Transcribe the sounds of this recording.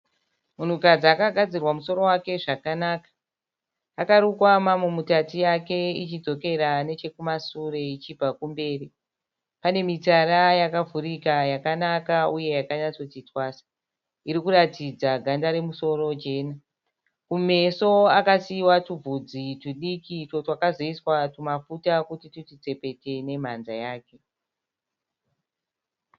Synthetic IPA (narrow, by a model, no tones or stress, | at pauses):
mun̤ukad͡ziakaɡʱad͡zirwamuso̞ɾo̞wake̞ʐakanaːkḁː | kaɾukwamamwemutatijake̞it͡ʃid͡zo̞ke̞ɾane̞t͡ʃe̞kumasure̞it͡ʃibakumbe̞ːri | pane̞mitaɾajakavʱuɾikajakanakauje̞jakaɲat͡so̞titwaːsḁ | iɾikuɾatid͡zaɡʱandaɾe̞muso̞ro̞d͡ʒe̞ːna | kume̞so̞akasiwatuvud͡zituɗikitotwakazoiswatumafutakutitutit͡se̞pe̞te̞ne̞m̤a̰nzajaːke̞